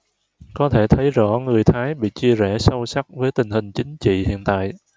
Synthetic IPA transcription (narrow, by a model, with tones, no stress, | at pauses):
kɔ˨˦t̪ʰe˧˩t̪ʰə˨˦jzɔ̰˧˥ŋɨ˨˩əjt̪ʰaː˨˦jɓḭ˧˨t͡ɕi˧əzɛ˧˩sə˧wsa˦˥k̚vəː˨˦jt̪ï˨˩ŋ̟hï˨˩ŋ̟t͡ɕï˨˦ŋ̟t͡ɕḭ˧˨hḭ˧˨ənt̪a̰ː˧˨jʔ